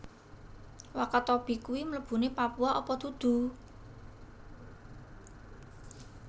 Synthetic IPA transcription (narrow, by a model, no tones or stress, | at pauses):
wakat̪ɔb̥i̤kuwimələb̥ṳnepapuaʔopɔd̪̥ṳd̪̥ṳ